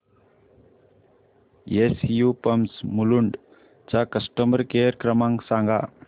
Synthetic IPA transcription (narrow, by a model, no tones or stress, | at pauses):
esjupəmsmuluɳɖ | t͡sakəsʈəməɾkeəɾkɾəmãŋsaŋɡa